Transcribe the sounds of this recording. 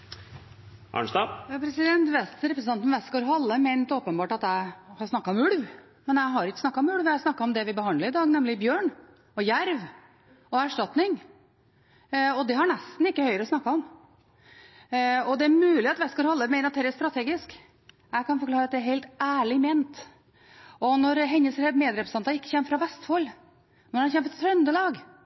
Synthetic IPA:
ʔɑ̰ɳst̪ɑːjɑpʰɾɛsɪd̪ɛnt̪ʋɛsɾɛpɾəsn̩ɑnt̪nʋɛskoːɾɦɑlːəmɛɪnt̪oːpənbɑːʈɑt̪jæɪhɑsnɑkːɑɔmʉlʋ | mɛnjæɪɦɑɾɪkːə̥snɑkːɑɔmʉlʋjæhɑsnɑkːɑɔmd̪ɛʋɪbəhɑnd̪ləɾɪd̪ɑːɡnɛmlɪbjøːɳ | ɔjæɾʋ | ɔæʂʈɑt̪nɪŋ | ɔd̪ɛhɑɳɛst̪n̩ɪkːəhœʏəɾəɔsnɑkːɑɔm | ɔd̪ɛæɾmʉːlɪɑt̪ʋɛskɑlhɔlːəmɛɪnɑt̪ːɛːɾst̪ɾɑt̪ʰeːɡɪsk | jæɪkʰɑnfɔɾklɑːɾəɑt̪̚d̪ɛæɾɦeɪlt̪æːɭɪmeːnt̪ | ɔnɔɾɦɛnəsɛmeːd̪ɾɛpɾsɑnt̪ɑɪkːəçɛːmːfɾɑʋɛst̪fɔl | mɛnɑnçɛmfɾɾt̪ʰɾœnd̪əlɑːɡ

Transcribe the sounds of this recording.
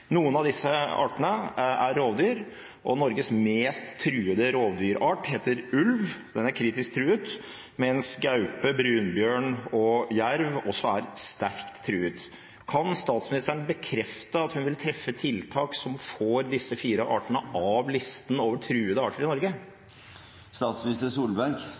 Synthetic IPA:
nuːənɑʋd̪ɪsːəɑ̰ːʈənəæɾːoːʋd̪yːɾ | ʔɔnɔɾɡəsmeːst̪ʰːɾʉːəd̪əɾoːʋd̪yːɾʔɑːʈheːt̪əɾʉlʋd̪ɛnæɾkʰɾiːt̪ɪsk̚t̪ʰɾʉːʉt̪ | mɛɛnsɡɑʉpəbɾʉːnbjøːɳɔjæɾʋɔsːɔæɾst̪æɾkt̪ʰːɾʉːʉt̪ | kʰɑnst̪ɑːt̪smɪnɪst̪əɳbəkʰɾɛft̪əɑt̪hʉnʋɪlt̪ʰɾɛfːət̪ʰɪlt̪ʰɑːksɔmfoːɾd̪ɪsːəfiːɾəʔɑːʈəɳəʔɑʋlɪst̪ənoːʋəʈʰɾʉːəd̪əɑːʈəɾɪnɔɾɡə | st̪ɑːt̪smɪnɪst̪əsuːlbæɾɡ

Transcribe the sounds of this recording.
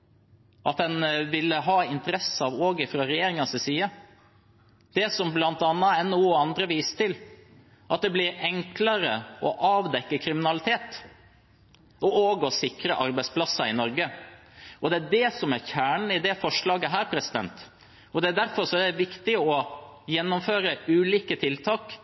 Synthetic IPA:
ʔɑt̪dɛnʋɪlːəɦɑːɪnt̪əɾɛsəɑʋoːɡɪfɾɑːɾɛjeːɾɪŋɑsɪsiːə | d̪̥ɛsɔmblɑnt̪ɑnːɑɛnuːəɑnd̪ɾəʋiːsə̥t̪ʰɪl | ʔɑt̪̚d̪ɛblɪɾɛŋkləɾəɔʔɑːʋd̪ɛkːəkʰɾɪmɪnɑlɪt̪ʰeːt̪ | ɔʔoːɡɔsɪkɾəʔɑɾbɛɪspʰlɑsɑɪnɔɾɡə | ɔd̪ɛæɖɛsɔmæɾçæːɳɳ̩ɪd̪ɛfɔʂlɑːɡəɦæːɾpʰɾɛsɪd̪ɛ̰nt̪ | ɔd̪ɛæd̪æɾfɔɾʂɔɛd̪ɛʋɪkt̪ɪɔjɛnːɔmføːɾəʉːliːkət̪ʰɪlt̪ʰɑːk

